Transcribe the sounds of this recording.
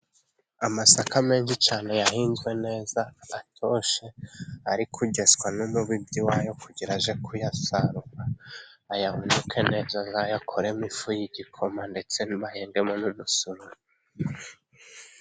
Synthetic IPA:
amasakame̞ːnʃit͡ʃaːne̞jaɦiːnzɡwe̞ne̞ːzaːtʰoʃe̞aɾikʰuɟe̞zkwanumuβibɟiwaːjo̞kuɟiɾaʒe̞kʰujasaɾukaːjahundukʰe̞ne̞ːzazajakʰoɾe̞mifujiɟikʰo̞mande̞t͡se̞niβaheːŋɡe̞monudusuɾu

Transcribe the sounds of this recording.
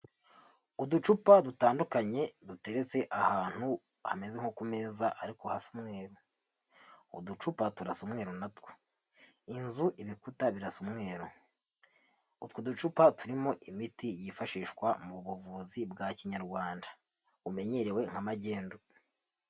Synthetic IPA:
udut͡ʃupadutaːndukaɲe̞dute̞ɾe̞t͡se̞ʔahaːn̥hu | hame̞zeŋ̥hokume̞zaʔaɾikohasumŋe̞ːɾo | udut͡ʃupatuɾasumŋe̞ːɾonatwe | inzuʔiβikutaβiɾasumŋe̞ːɾo | utwudut͡ʃupatuɾimo̞ʔimitijifaʃiːʃkwamuβuβuvuzibɡaciɲaɾɡwaːnda | ume̞ɲe̞ɾe̞we̞ŋ̥hamaɟe̞ːndo

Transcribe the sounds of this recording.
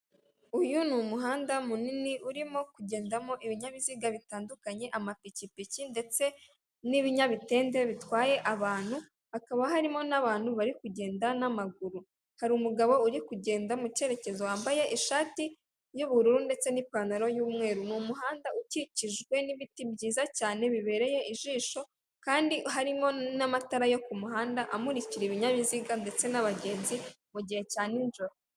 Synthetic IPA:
ujunumuɦaːndamuniniʔuɾimo̞kuɟe̞ːndamo̞ʔiβiɲaβiziɡaβitaːndukaɲe̞ʔamapicipicinde̞t͡se̞ | niβiɲaβite̞ːnde̞βitwaːje̞ʔaβaːn̥hu | hakaβaɦaɾimo̞naβaːn̥huβaɾikuɟe̞ːndanamaɡuɾu | haɾiumuɡaβo̞uɾikuɟe̞ːndamuce̞ɾe̞ce̞zowaːmbaje̞ʔiʃaːti | juβuɾuɾunde̞t͡se̞nipanaɾo̞juːmŋe̞ːɾunumuɦaːndauciciʒɡwe̞niβitibɟiːzacaːne̞βiβe̞ɾe̞je̞ʔiʒiːʃo̞ | kaːndiɦaɾimo̞namataɾajo̞kumuɦaːndaʔamuɾiciɾiβiɲaβiziɡande̞t͡se̞naβaɟe̞ːnzi | muɟihe̞caːninʒuɾa

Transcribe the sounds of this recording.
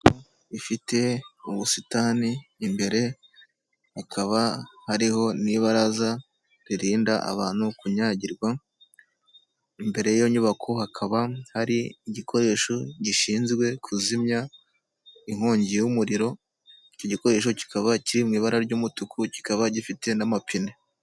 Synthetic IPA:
ko | ifite̞uβusitaːniːmbe̞ɾe̞ | hakʰaβahaɾiɦo̞niβaɾaza | ɾiɾiːndaʔa̰βaːn̥hukuɲaɟiɾɡwa | imbe̞ɾe̞jjoɲuβakʰo̞hakʰaβahaɾiːɟikʰo̞ɾe̞ʃoɟiʃiːnzɡwe̞kʰuzimɲa | iŋ̥ho̞ːɲɟiwumuɾiɾo̞ | ico̞ɟiko̞ɾe̞ʃ̬o̞ci̥kaβaciɾimŋiːβaɾaɾɟuːmutukʰuci̥kaβaɟifite̞namapine

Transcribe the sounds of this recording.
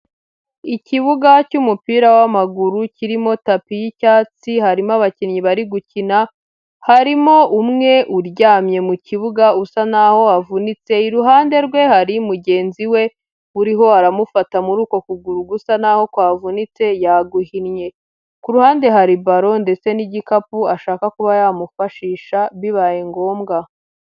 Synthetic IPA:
iciβuɡacumupiːɾawamaɡuɾuciɾimo̞tapijicaːt͡sihaɾimaβacinɲiβaɾiɡucina | haɾimo̞ʔumŋe̞ʔuɾɟaːmɲe̞muciβuɡausanaho̞avunit͡se̞iɾuɦaːnde̞ɾɡwe̞haɾimuɟe̞ːnziwe̞ | uɾiɦo̞aɾamufatamuɾuːko̞kuɡuɾuɡusanaho̞kwaːvunit͡se̞jaɡuhinɲe̞ | kuɾuhaːnde̞ɦaɾibaɾo̞nde̞t͡se̞niɟikapuaʃaːkakuβajamufaʃiːʃaβiβajeŋɡo̞ːmɡa

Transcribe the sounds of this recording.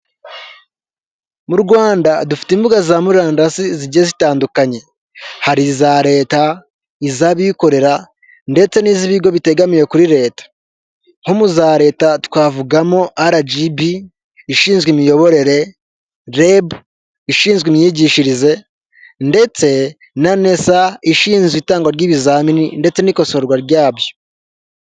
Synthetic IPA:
muɾuɡwaːndadufi̥timbuɡazamuɾaːnasiziɟezitaːndukaɲe̞ | haɾizaɾe̞ːta | izaβiko̞ɾe̞ɾa | nde̞t͡se̞niːziβiɡo̞βite̞ɡamiɾe̞kuɾiɾe̞ːtḁ | homuzaɾe̞ːtatkwaːvuɡamoʔaɾad͡ʒibiː | ʃiːnzɡimijo̞βo̞ɾe̞ɾe̞ | ɾebu | iʃiːnzɡwimjiɟiʃiɾize̞ | nde̞t͡se̞ | nane̞saiʃiːnzɡitaːŋɡwaɾɟiːβizaːmininde̞t͡se̞niko̞so̞ɾɡwaɾɟaːbjo̞

